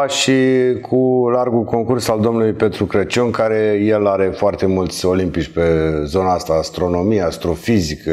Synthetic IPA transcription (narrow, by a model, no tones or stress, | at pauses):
aʃikʰularɡulko̞ŋkursald̪o̞mnulujpe̞t̪ɾukɾət͡ʃoŋkaɾe̞jelaɾe̞foart̪e̞mult̪sʲo̞limpit͡ʃʲpe̞zo̞naast̪aːst̪ɾo̞no̞mijeast̪ɾo̞fizikə